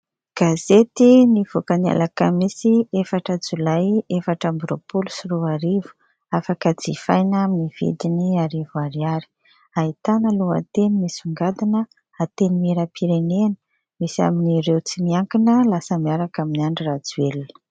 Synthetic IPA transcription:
ɡ̥azet̪iniv̥okania̰lakəmisiefaʈ͡ʂəd͡zulajefaʈ͡ʂambɾopulusiɾuaɾivu̥ | afakəd͡zifajnaminiv̥ḭd̪iniaɾivaɾiaɾi̥ | ait̪anəluə̰t̪enimisuŋɡad̪inə | at̪enimeɾəpʰiɾenenə̥ | misa̰miniɾewt͡simiaŋkinəlasəmiaɾakaminiaɳɖ͡ʐirad͡zuelinə̥

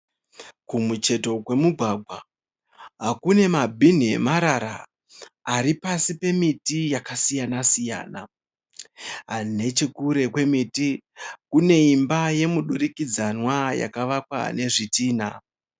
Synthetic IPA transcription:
kumut͡ʃe̞to̞kwe̞muɡʱwaɡʱwa | ɦakune̞mabʱin̤emaɾaɾa̰ː | ɾipasipe̞mitijakasijanasija̰ːna | ɦane̞t͡ʃekuɾe̞kwe̞miti | kune̞imbaje̞muɗuɾikid͡zanwaja̰kaʋakwa̰ne̞ʐitiːna̰

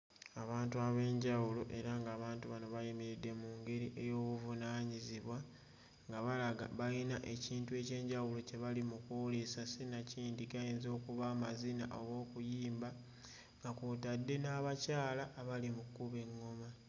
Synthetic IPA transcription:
aβaːntuaβe̞ːɲɟawulo̞ʔe̞ɾaŋɡaːβaːntuβano̞βajimiɾedːe̞muŋɡe̞ɾiʔe̞jo̞ːβuvunaːɲiziβwa | ŋɡaβalaɡaβajinaʔe̞ciːntue̞ːce̞ːɲɟawulo̞ce̞βalimukolesasenaciːndiɡajeːnzo̞ːkuβaːmazina̰ʔoɣo̞ːkujiːmba | ŋɡakutadːe̞naːβacaːlaʔːβalimukuβe̞ŋːo̞ma

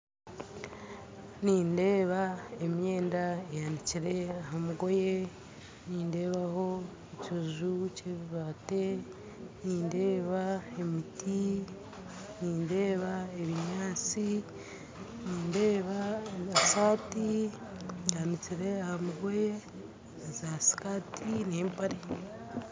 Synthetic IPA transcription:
niːnde̞ːβae̞mje̞ːndaejaniciɾe̞aɦamuɡo̞je̞ | niːnde̞ːβaho̞ | ecuʒuce̞βiβate̞ | niːnde̞ːβaemiti | niːnde̞ːβae̞βiɲaːt͡si | niːnde̞ːβaasaːti | janit͡ʃiɾe̞ahamuɡo̞je̞ | zasi̥kaːtʰineːmpaɾi

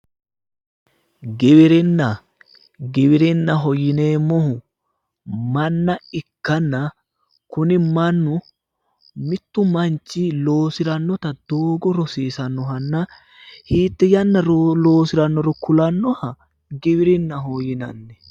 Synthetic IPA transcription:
ɡɪwɪɾɪnːɐ | ɡɪβɪɾɪnːɐɦɔjɪneːmːɔhʊ | mɐnːɐɪkːɐnːɐ | kʊnɪmɐnːʊ | mɪt̪ːʊmɐnt͡ʃːɪloːsɪɾɐnːɔt̪ɐd̪̥oːɡɔɾɔsiːsɐnːɔɦɐnːɐ | hiːt̪ːɛjɐnːɐɾloːsɪɾɐnːɔɾɔkʊlɐnːɔhɐ | ɡɪβɪɾɪnːɐɦɔjɪnɐ̰nːɛ

